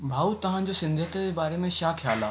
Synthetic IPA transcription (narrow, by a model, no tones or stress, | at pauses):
bʱaːut̪ɐʋ̤ãd͡ʑosɪ̃nd̪ʱət̪əd͡ʑeːbaːɾemẽʃaːkʰjaːlaː